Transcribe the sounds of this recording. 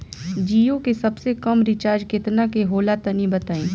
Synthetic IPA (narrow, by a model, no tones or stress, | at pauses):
d͡ʒiːjõkesɐbsekɐmɾɪt͡ʃaːɾd͡ʒkɪt̪nakeɦoːlat̪ɐnibɐt̪aːẽː